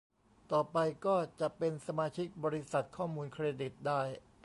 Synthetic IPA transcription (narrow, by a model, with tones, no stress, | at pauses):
t̪ɔː˨˩pa˧jkɔː˥˩t͡ɕa˨˩ʔpe˧nsa˧maː˧t͡ɕʰi˦˥k̚bɔː˧ɾi˦sa˨˩t̪̚kʰɔː˥˩muː˧nkʰɾeː˧di˨˩t̪̚daː˥˩j